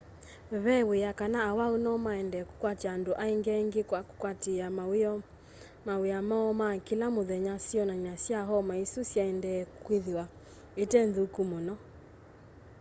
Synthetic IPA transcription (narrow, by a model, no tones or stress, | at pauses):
βɛwejakanaːwaunɔmaɛndɛːku̥kwataːndoʔaeŋɡɛŋɡekwaku̥kwatea | maweamaɔmakilamoðɛɲasiɔnaɲasjaɦɔmaisusjaɛndɛkkweðiwa | etɛnðukumonɔ